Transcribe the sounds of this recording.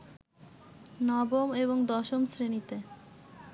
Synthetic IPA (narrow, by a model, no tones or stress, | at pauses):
nɔbomeβoŋd̪ɔʃomsɾenit̪e